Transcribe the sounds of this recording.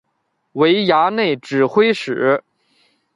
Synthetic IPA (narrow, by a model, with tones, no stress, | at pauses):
we˧˥ɪja˧˥ne˥˩ɪʈ͡ʂɻ̩˨˩xwe˥ɪʂɻ̩˨˩